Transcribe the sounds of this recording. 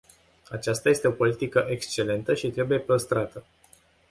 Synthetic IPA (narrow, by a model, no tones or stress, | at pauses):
at͡ʃast̪aje̞st̪eo̞po̞lit̪ikəʔe̞kst͡ʃe̞le̞nt̪əʃit̪ɾe̞buje̞pɾəst̪ɾat̪ə